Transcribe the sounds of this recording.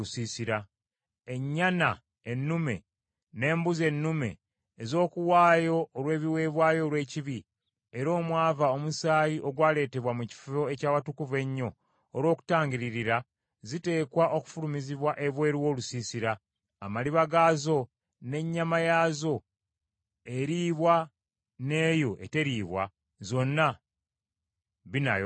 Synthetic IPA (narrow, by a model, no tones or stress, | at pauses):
usiːsiɾa | e̞ɲːana | enːume̞̰ | ne̞ːmbuze̞nːume̞̰ː | zo̞ːkuwaːjo̞ːɾwe̞ːβiwe̞ːβwaːjo̞ːlwe̞ːciβi | e̞ɾo̞ːmwaːvao̞musaːjiʔo̞ɡwaːle̞ːte̞βwamuci̥fuo̞e̞caːwatukuve̞ɲːo̞ː | ɾwo̞ːku̥taːɲɟiɾiɾiɾa | zite̞ːkwaʔo̞ku̥fulumiziβwaʔe̞βwe̞ːɾiwo̞ːlusisiɾaː | maliβaɡaːzo̞ | ne̞ɲːamajaːzo̞ | e̞ɾiːβwa | ne̞ːjo̞ʔe̞te̞ɾiːβwa̰ | zo̞nːa | βina̰j